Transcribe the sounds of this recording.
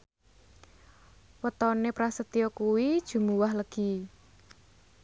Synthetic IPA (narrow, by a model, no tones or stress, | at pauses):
wət̪ɔnepɾasət̪iɔkuwid̥ʒ̥ṳmuwaɦləɡ̥i